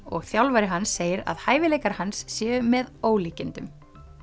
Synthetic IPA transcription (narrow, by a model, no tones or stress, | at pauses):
ɔɣθjawlvajɾɪɦansːeːjɪɾa̰ðhaːjvɪlejkaɾ̥hansːjɛːʏmɛðoːwliːcɪnt̪ʏm